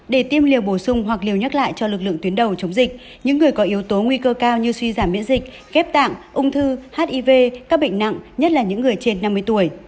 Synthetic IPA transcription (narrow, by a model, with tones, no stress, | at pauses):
ɗe˧˩t̪i˧əmli˨˩əwɓo˧˩sʊ˧ŋ͡mɦwa˨˩k̚li˨˩əwɲə˦˥t̚la̰ː˧˨jt͡ɕɔ˧lɨ˨˩k̚lɨ̰˧˨ət̪i˨˦ənɗə˨˩wt͡ɕə˨˦wŋ͡mzï˨˩k̚ | ɲɨ̰˧˥ŋːɨ˨˩əjkɔ˨˦ʔi˨˦wt̪o˨˦ŋwi˧kəː˧kaː˧wɲɨ˧swi˧zaː˧˩mːḭ˧˥nzï˨˩k̟̚ | ɣɛ˦˥p̚t̪a̰ː˧˨ŋʔʊ˧ŋ͡mt̪ʰɨ˧haː˦˥t̚ʔi˧ve˧kaː˦˥k̚ɓə̰˧˨ŋ̟na̰˧˨ŋɲə˦˥t̚laː˨˩ɲɨ̰˧˥ŋːɨ˨˩əjt͡ɕe˧nːa˧mːɨ˧əjt̪u˧˩əj